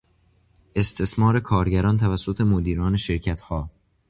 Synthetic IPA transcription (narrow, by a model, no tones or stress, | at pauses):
ʔe̞st̪ʰe̞smɒːɾe̞kʰɒːɾɟæɾɒːnt̪ʰævæsːot̪ʰe̞mod̪iːɾɒːne̞ʃe̞ɾcʰæt̪hɒː